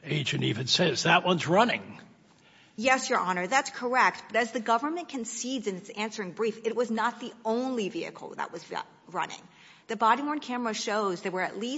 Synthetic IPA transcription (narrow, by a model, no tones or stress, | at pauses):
eɪd͡ʒɨ̃nivɨ̃nsɛzðət̚wʌ̃nzɹʌnɪ̰̃ŋ | jɛsjə˞ʔɑnə˞ðætskʰə˞ɛk̚t̚b̥ʌɾɨzðɨɡʌvə˞mɨ̃nkʰɨ̃nsidzɨ̃nɨtsæ̃nsə˞ɪ̃ŋbɹifɨt̚wʌznət̪̚ðiõʊ̃nliviɨ̰kʰl̩ˠðə̰ʔ̚wʌz̰ | ɹʌ̰̃nɪ̰̃ŋ | ðɨbɑɾiwɔ̃ɹnkʰæmə˞ɨʃoʊzðeɪwə˞ɨ̰ʔˡli